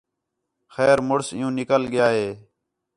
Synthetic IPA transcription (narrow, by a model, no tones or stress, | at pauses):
xɛːɾmʊɽsɪ̰jũːnɪkəlɠɪjaːɦeː